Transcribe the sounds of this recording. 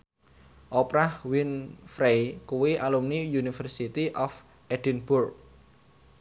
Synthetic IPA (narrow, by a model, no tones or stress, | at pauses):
ʔɔpɾahwinfɾejkuwiʔalumnijunifərsit̪iʔɔf | ʔɛd̥inbʊrk̚